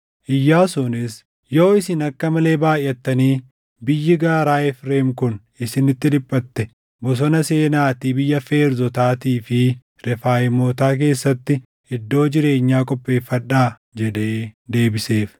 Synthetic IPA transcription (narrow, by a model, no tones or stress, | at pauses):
ʔɪjːaːsʊnɪs | jo̞ːɪsɪnɐkːɐmɐle̞ːbaːjːɛt̪ːɐniː | bɪjːɪɡaːɾaːɛfɾe̞ːmkʊn | ɪsɪnɪt̪ːɪd̪ɪpʼːɐt̪ːɛ | bɔs̬ɔnɐse̞ːnaːt̪iːbɪjːɐfe̞ːɾzɔt̪aːt̪iːfɪ | ɾɛfaːjɪmoːt̪aːk̬e̞ːsːɐt̪ːɪ | ɪd̪ːo̞ːd͡ʒɪɾe̞ːɲːaːkʼɔpʼːe̞ːfːɐᶑaː | d͡ʒɛᶑe̞ːd̪e̞ːbɪse̞ːf